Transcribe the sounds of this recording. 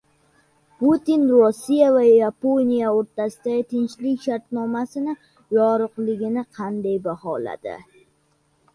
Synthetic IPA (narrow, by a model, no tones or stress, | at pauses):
put̪inɾosːijavajaponijaoɾt̪asɪd̪aɡʲɪt̪ʰɪnt͡ʃlɪkʲʃaɾt̪nɒmasɪnɪ | jɒɾɨqlˠɪɡʲɪnɪqʰɑnd̪ajbahɒla̰d̪̥ɪ̰